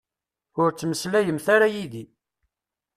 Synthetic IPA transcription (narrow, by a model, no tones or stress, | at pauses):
ʊɾt͡sːməslæjəmθaɾajiði